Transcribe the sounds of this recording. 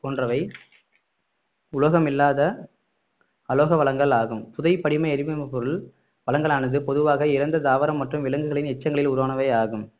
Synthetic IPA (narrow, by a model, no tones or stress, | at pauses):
poːndrɐʋɐɪ | ʊlɐɣɐmɪlːaːðɐ | ɐloːɣɐʋɐɭɐŋɡɐɭaːɣɯmpʊðɐɪpɐɽɪmɐɪɐɾɪmɯmɐpɔɾɯɭ | ʋɐlɐŋɡɐɭaːɳɯðɯpɔðɯʋaːɣɐɪɾɐnd̪ɐd̪aːʋɐɾɐmːɐʈrɯmʋɪlɐŋɡɯɣɐɭɪnɛt͡ʃːɐŋɡɐɭɪlʊɾoːɳɐʋɐɪaːɣɯm